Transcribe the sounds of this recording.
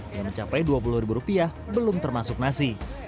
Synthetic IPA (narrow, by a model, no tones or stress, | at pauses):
jaŋməɲt͡ʃapajduapuluhrɾibuɾupiah | bəlʊmt̪ərmasʊk̚nasi